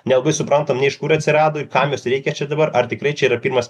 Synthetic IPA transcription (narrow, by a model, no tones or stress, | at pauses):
nʲɛlˠɐbɐɪsʊpɾɐnt̪ɐmnʲɛɪʃkuɾɐt̪ʲsʲɪɾɑːd̪oːɪrkɐmjoːsɾʲɛɪkʲɛt͡ʃʲɛd̪ɐbɐɾɐrt̪ʲɪkɾɐɪt͡ʃʲɛiːɾɐpʲiːɾmɐs